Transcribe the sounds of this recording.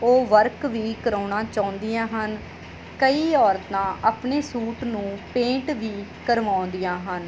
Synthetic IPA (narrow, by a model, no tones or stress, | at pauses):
oːʋəɾkʋiːkəɾaːɳaːt͡ʃaːʊ̃nd̪ijãːɦən | kəiːɔːɾt̪ãːʔaːpɳeːsuːʈnũːpẽːʈʋiːkəɾʋãːʊ̃nd̪ijãːɦən